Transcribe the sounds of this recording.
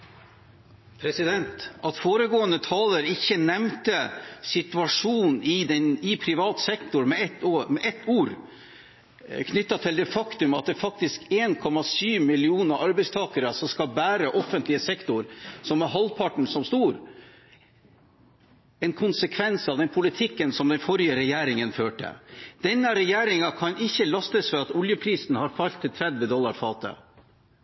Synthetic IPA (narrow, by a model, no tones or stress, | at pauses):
pʰɾɛsɪd̪ɛnt̪ɑt̪foːɾəɡoːənət̪ʰɑːləɾɪçːənɛmt̪əsɪt̪ʉɑʂuːnɪd̪ɛnɪpʰɾɪʋɑːt̪sɛkt̪ʊɾmɛɛmɛʔɛt̪ːuːɾ | kʰnʏt̪ːɑt̪ʰɪld̪ɛfɑkt̪ʉmɑt̪̚d̪ɛːfɑk̚t̪ɪskeːnkʰɔmɑsyːʋmɪlɪuːnəɾʔɑɾbɛɪst̪ʰɑːkəɾəsɔmskɑlbæːɾəʔɔfənt̪lɪəsɛkt̪ʊɾsɔmɛɦɑlpʰɑʈɳ̩sɔmst̪uːɾ | ɛnkʰʊnsəkʰʋɛnsɑʋd̪ɛnpʰʊlɪt̪ʰɪkːənsɔmd̪ɛnfɔɾjəɾɛjæːɾɪŋənføːʈə̰d̪̥ɛnːəɾɛjæːɾɪŋɑkʰɑnɪçːəlɑst̪əsfɔɾɑt̪ʊljəpʰɾiːsn̩hɑɾfɑlt̪ʰːɪlt̪ʰɾɛd̪ʋəd̪ɔlːɑɾfɑːt̪ə̰